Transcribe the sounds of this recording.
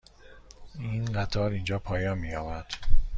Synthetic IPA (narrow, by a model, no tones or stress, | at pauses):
iːnɢæt̪ʰɒːɾiːnd͡ʒɒːpʰɒːjɒːnmiːjɒːvæɾd̪̥